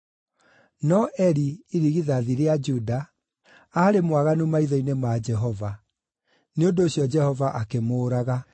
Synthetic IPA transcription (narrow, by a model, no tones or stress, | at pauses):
nɔʔɛɾiiɾiɣiðaðiɾead͡ʒuda | aɾemwaɣanumaiðɔinemad͡ʒɛɦɔva | neondoːɕjɔd͡ʒɛhɔvaʔakemoːɾaɣa